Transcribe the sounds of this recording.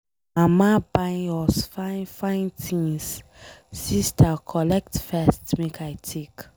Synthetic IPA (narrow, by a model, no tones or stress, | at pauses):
amabãɪɔsfanfãɪ̃ntʰĩŋs | sistʰakʰɔlɛk̚tfɛstmekʰajtʰek